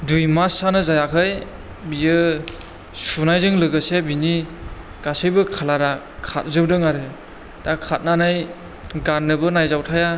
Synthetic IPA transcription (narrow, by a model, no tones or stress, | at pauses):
dujmasanɯzajakʰɯj | bijɯ | sunajzɯŋlɯɡɯsebini | ɡ̥asɯjbɯkʰalaɾa | kʰa̰t̚zɯb̚dɯŋaɾɯ | d̥akʰat̚nanaj | ɡanːɯbɯnajzawtʰaja